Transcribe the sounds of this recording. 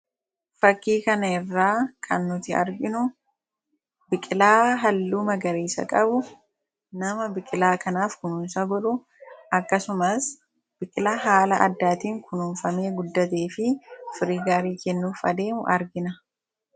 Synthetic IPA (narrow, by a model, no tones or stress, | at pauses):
fɐkːiːkɐnɐɪrːaːkʰɐnːʊt̪ɪɐ̰ɾɡɪnʊ | bɪkʼɪlaːɦɐlːuːmɐɡɐɾeːsɐ̰kʼɐbʊ | nɐmɐbɪkʼɪlaːkɐnaːfkʊnʊnsɐɡɔᶑʊ | ɐkːɐsʊmɐs | b̥ɪkʼɪlɐɦaːlɐʔɐ̰d̪ːaːt̪iːŋkʰʊnuːnfɐme̞ːɡʊd̪ːɐt̪eːfɪfɪɾiːɡaːɾiːkɛnːuːfɐd̪e̞ːmʊʔɐɾɡɪnɐ